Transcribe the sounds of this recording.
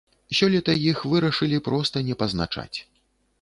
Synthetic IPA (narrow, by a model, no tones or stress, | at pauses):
sʲɔlʲɛt̪ɐjixvɨɾɐʂɨlʲipɾɔst̪ɐnʲɛpɐzna̰t͡ʂa̰t͡sʲ